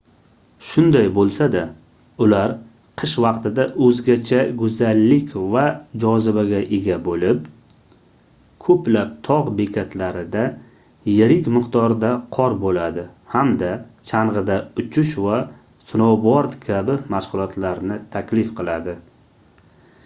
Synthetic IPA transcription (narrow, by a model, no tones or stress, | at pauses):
ʃʊnd̪ajbolˠsad̪a | ʊlaɾ | qʰɨʃvɑqt̪ɪd̪aʔɵzɡʲat͡ʃʰaɡʊzalːɪkʲʰvad͡ʒɒzɪbaɡʲaʔeɡʲabolɪp | kʰɵplap̚t̪ʰɒʁbe̞kʲʰat̪laɾɪd̪a | jɪɾɪkʲmɨqt̪ʰɒɾd̪aqʰɒɾbolad̪ɪhamd̪at͡ʃʰaɴʁɨd̪aʊt͡ʃʰʊʃva | sʊnowbɒɾd̪kʲʰabɪmaʃʁʊlˠɒt̪ʰlaɾnɪt̪ʰakʲlɪfqʰɨlˠad̪ɪ